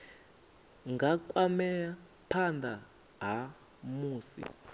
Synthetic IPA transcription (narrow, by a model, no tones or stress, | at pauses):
ŋɡakʼwamɛa | pʰand̪a | ɦa | muːsḭ